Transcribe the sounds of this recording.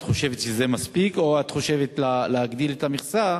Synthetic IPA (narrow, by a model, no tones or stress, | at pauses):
tχo̞ʃe̞vet̪ʃezemaspikoat̪χo̞ʃe̞vet̪laleaɡd̪iletamiχsa